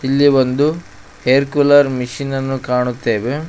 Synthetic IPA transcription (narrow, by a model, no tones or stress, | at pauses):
ilːibond̪u | heːɾkulɐɾmiʃinɐnːukaːɳut̪ːe̞ːʋe